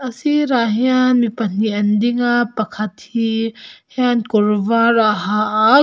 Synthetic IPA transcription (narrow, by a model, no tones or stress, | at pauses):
ɐsiɾaɦianmipɐnːiɐndiŋapɐkʰɐt̪̚hihjankɔɾvaɾaɦaʔa